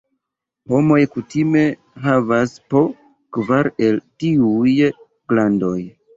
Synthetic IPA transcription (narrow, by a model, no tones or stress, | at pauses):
ho̞mo̞jkutime̞ | ɦavaspo̞ | kvaɾe̞ltiuj | klando̞j